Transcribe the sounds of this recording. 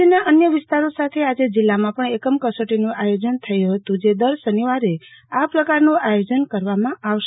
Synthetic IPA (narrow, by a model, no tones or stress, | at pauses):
inaʔənjəʋɪst̪aɾosat̪ʰead͡ʒed͡ʒilːamãpəɳekəmkəsoʈinũʔajod͡ʒənt̪ʰəjuɦət̪ũd͡ʒed̪əɾsəniʋaɾe | apɾəkaɾnũajod͡ʒənkəɾʋamãʔaʋʃ